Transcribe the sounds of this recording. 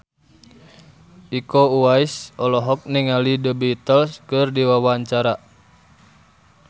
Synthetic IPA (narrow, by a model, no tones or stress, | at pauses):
ikouaisɔlɔɦɔk̚niŋalidəbiːt̪əlskɨrdiwawaɲt͡ʃaɾa